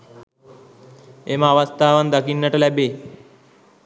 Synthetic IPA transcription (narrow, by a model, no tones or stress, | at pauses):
emaʋast̪ʰaʋand̪akinːəʈalabe